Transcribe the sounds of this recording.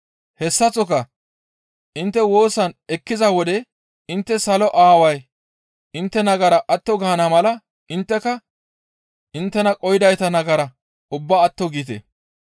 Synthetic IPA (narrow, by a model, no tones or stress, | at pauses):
hɛsːɐt͡sɔkɐ | ʔɪnt̪ːɛwo̞ːsɐnɛkːɪzɐwɔd̪ɛ | ɪnt̪ːɛsɐlɔʔaːwɐj | ʔɪnt̪ːɛnɐɡɐɾɐʔɐt̪ːɔɡɐːnɐmɐlɐ | ɪnt̪ːɛkɐ | ʔɪnt̪ːɛnɐkʼɔjɪd̪ɐjt̪ɐnɐɡɐɾɐ | ʔʊbːaːt̪ːɔɡit̪̬ḛ